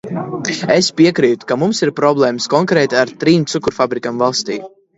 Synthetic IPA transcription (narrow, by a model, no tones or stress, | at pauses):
espiɛkɾiːt̪u̥kamumsiɾpɾɔblˠɛːmskɔŋkɾɛːt̪aɾt̪ɾiːmt̪sukuɾfabɾikamvalˠst̪ḭː